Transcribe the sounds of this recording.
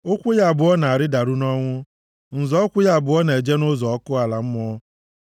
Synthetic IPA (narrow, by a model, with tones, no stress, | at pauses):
ʊ˦kʷʊ˦ja˨bʊ˨ɔ˦na˨a˨ɾɪ˦da˨ɾu˦nɔ˦ŋʷʊ˦ | n̩˨zɔ˦ɔ˦kʷʊ˦ja˦˨bʊ˨ɔ˦ne˨d͡ʒe˦nʊ˦zɔ˨ɔ˦kʊ˦a˨la˨m̩˦mɔ˦